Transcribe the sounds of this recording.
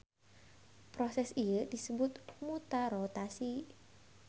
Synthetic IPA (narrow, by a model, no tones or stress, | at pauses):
pɾosɛsijədisəbʊt̪̚mut̪aɾot̪asi